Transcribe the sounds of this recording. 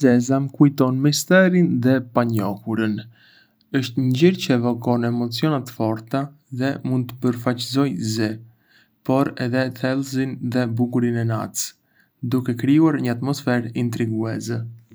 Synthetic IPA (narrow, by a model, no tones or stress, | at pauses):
zɛzamkujt̪ɔnmist̪ɛɾinðɛpaɲɔkuɾən | əʃt̪ɲɲd͡ʑiɾcəɛvɔkɔnɛmɔt͡siɔnat̪fɔɾt̪a | ðɛmund̪̚t̪ə̥pəɾfat͡ʃzɔjzɛ | pɔɾɛðɛθɛlˠzinðɛbuɡuɾinɛna̰t͡s | d̪ukɛkɾiuaɾɲəat̪mɔsfɛɾint̪ɾiɡuɛzɛ